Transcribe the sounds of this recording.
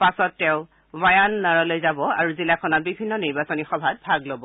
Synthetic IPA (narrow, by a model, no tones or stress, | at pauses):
pasɔtːɛʊ̃ | bajanːaɹalojzabɔa̰ɹuzilakʰɔnatbibʱinːɔniɹbasɔnixɔbʱad̚bʱaɡlobɔ